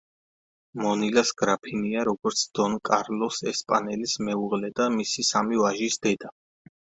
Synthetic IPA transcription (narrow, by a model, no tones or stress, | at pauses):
mɔnilasɡ̥ɾapʰiniaɾɔɡɔɾt̪sʰd̪̥ɔnkʼaɾlɔsɛspʼanɛlismɛuʁlɛd̪amisisamivaʒisd̪ɛd̪a